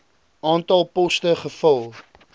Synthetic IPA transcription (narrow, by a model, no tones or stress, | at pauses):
ɑːntɐlˠpɔstəχəfɐlˠ